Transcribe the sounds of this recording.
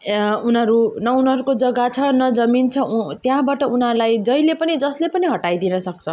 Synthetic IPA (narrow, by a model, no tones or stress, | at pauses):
unɦʌɾunʌunʌɾukod͡zʌɡat͡sʰʌnʌd͡zʌmint͡sʰʌt̪jãbaʈʌunɦalajd͡zʌjlepʌnid͡zʌslepʌniɦʌʈajd̪inʌsʌk̚t͡sʰʌ